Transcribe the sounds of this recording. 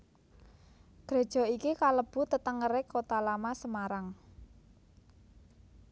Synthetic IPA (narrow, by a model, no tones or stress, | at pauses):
ɡ̥ɾe̤d̥ʒ̥ɔ̤ikikaləb̥ṳt̪ət̪əŋəɾekot̪alamasəmaɾaŋ